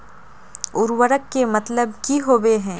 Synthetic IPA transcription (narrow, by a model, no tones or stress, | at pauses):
ʊɾwəɾəkːemɐt̪ləb̚kiɦoːweɦɛ̃ː